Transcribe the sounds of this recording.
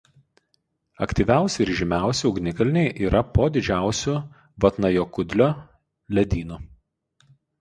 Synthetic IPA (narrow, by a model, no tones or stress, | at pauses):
ɐ̰kt̪ʲiːˑʋʲæˑʊsʲɪɪɾʒʲɪmʲæˑʊsʲɪʊɡnʲɪkɐlʲɪnʲɛɪʔiːɾʔɐpoːd̪ʲɪd͡ʒʲæˑʊsʲʊ | ʋɐt̪nɐjoːkʊd̪ʲlʲoː | lʲɛd̪ʲiːnʊ